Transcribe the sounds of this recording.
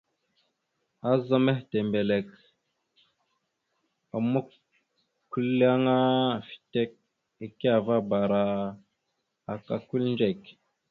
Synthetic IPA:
a˦za˦me˦hte˨mbe˨le˨k | a˨mu˦k | kːu˦la˦ŋa˦fi̥˨te˦k̚ | e˨ke˦a˨va˦ba˨ɾa˨ | a˨ka˨ku˦lnd͡ʒe˦˨k

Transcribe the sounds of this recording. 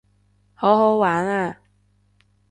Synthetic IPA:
ho˨˥ɦo˨˥waː˨˥na˥˧˩

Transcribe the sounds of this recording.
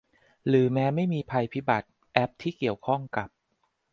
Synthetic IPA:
ɾɯː˩˦mɛː˦˥ma˥˩jmiː˧pʰa˧jpʰi˦˥ba˨˩t̪̚ | ʔɛ˦˥p̚t̪ʰiː˥˩ki˨˩əwkʰɔ˥˩ŋka˨˩p̚

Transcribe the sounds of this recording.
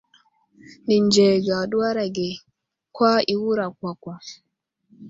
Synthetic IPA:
ni˨nd͡ʒɛ˨ɡa˨ɗu˦a˦ɾa˨ɡɛ˨ | kwa˦i˨wu˦ɾa˨kʷa˨kʷa˨

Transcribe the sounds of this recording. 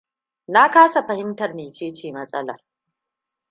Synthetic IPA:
na˦kaː˦sa˨ɸɐ˨hɪ˦mtɐ˨rniː˨t͡ʃeː˦t͡ʃiː˨mɐ˦sʼɐ̰˦lɐ̰˨r

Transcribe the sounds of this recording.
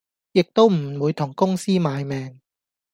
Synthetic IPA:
jɪ˨k̚t̪o˥wm̩˨˩wuː˨˧jt̪ʰʊ˨˩ŋkʊ˥ŋsiː˥maː˨˧jmɛː˨˧ŋ

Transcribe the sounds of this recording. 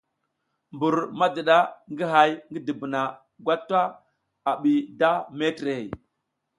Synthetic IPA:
mbu˨ɾma˦də˨ɗa˦ŋɡi˦ɦa˨jŋɡə˦di˨bə˨na˨ | ɡʷa˦tːa˦ | a˨ɓi˨da˦me˦tɾe˨hḛ˨

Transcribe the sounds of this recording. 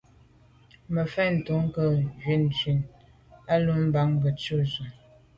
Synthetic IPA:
mə˨fɛ˦n̩˨tu˨˦ŋ˦kə˦˨d͡ʒɥi˨˦n˨t͡ʃɥi˨n | a˦lu˦m̩˦ba˨˦ŋbə˨t͡ʃu˦zə˨

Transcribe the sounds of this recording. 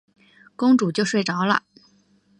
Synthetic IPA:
kʊ˥ŋʈ͡ʂu˨˩t͡ɕjo˥˧ʊʂwe˥˩ɪʈ͡ʂɑ˧˥ʊlə̰˦

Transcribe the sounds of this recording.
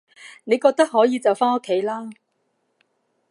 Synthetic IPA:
ne˨˧jkɔː˧k̚t̪ɐ˥k̚ɦɔː˨˥jiː˨˧t͡sɐ˨wfaː˥ŋo˥kʰːe˨˥jlaː˥

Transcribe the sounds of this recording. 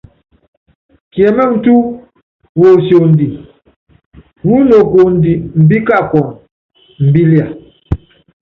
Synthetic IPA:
kjɛ˨mɛ˦˨n̩˨tu˦ | wo˨sjo˨n̩˨di˨ | wu˦no˨ko˨n̩˨di˨m̩˨bi˦ka˦˨kɔ˨ŋ | m̩˨bi˦li˦a˨

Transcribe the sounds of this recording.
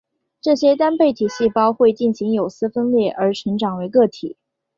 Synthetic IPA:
ʈ͡ʂɤ˥˩ɕjɛ˥t̪a˥npe˥˩ɪt̪ʰi˨˩ɕi˥˩pɑ˥ʊxwe˥˧ɪt͡ɕi˥˩nɕi˧˥ŋjo˨˩ʊsɹ̩˥fə˥nljɛ˥˩ʔə˞˧˥ʈ͡ʂʰɤ˧˥ŋʈ͡ʂɑ˨˩ŋwe˧˥ɪkɤ˥˩t̪ʰi˨˩˦

